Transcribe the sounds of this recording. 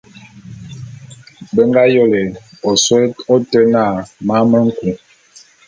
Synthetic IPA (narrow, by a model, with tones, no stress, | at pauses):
bə˦ŋ˦ɡa˦jo˦˨le˨ | ɔ˨swɛ˦tɔ˦tɛ˦na˦˨ma˦mə˦ŋ̩˦ku˨